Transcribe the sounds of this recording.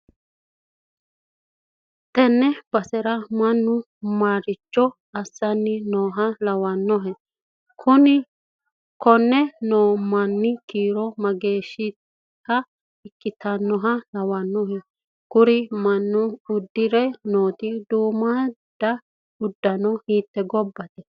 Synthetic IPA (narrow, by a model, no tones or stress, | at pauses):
t̪ɛnːɛb̥ɐsɛɾɐmɐnːʊ | maːɾɪt͡ʃːɔ | ɐsːɐnːɪnoːɦɐlɐwɐnːɔɦɛ | kʰʊnɪ | kɔnːɛnoːmɐnːɪkiːɾɔmɐɡe̞ːʃːɪ | kːɐ | ɪkʼːɪt̪ɐnːɔɦɐlɐwɐnːɔɦɛ | ɡ̥ʊɾɪmɐnːʊʊd̪ːɪɾɛnoːt̪ɪd̪uːmɐd̪̥ɐ | ʊd̪ːɐnɔhiːt̪ːɛɡɔbːɐt̪ɛ